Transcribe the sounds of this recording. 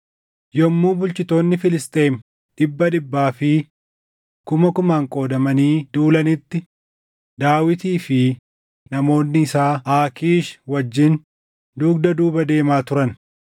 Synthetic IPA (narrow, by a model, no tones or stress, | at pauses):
jɔmːuːbʊlt͡ʃɪt̪o̞ːnːɪfɪlɪst̪ʼe̞ːm | ᶑɪbːɐᶑɪbːaːfɪ | kʊmɐkʊmaːŋkʼo̞ːd̪ɐmɐniːd̪uːlɐnɪt̪ːɪ | d̪aːwɪt̪iːfɪ | nɐmo̞ːnːɪːsaːʔaːkiːʃwɐd͡ʒːɪn | d̪uːkd̪ɐd̪uːbɐd̪e̞ːmaːt̪ʊɾɐn